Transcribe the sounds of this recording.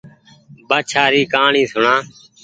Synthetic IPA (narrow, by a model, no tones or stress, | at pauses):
baːt͡ʃʰaːɾiːkaːɳĩːsʊɳãː